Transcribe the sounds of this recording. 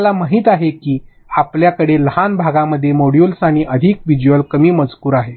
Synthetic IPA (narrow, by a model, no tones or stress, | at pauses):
lamaɦiːt̪aɦekiː | apljakəɽeləɦanbʱaɡaməd̪ʱːjemoɽjulsaɽ̃iʔəd̪ʱikʋid͡ʑuʋəlkəmiːməd͡zkuːɾaɦe